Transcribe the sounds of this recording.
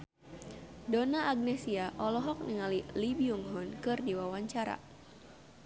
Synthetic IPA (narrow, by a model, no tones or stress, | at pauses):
donaʔːɡ̚nɛsiaʔɔlɔɦɔk̚niŋalilibiuŋɦɔnkɨrdiwawaɲt͡ʃaɾa̰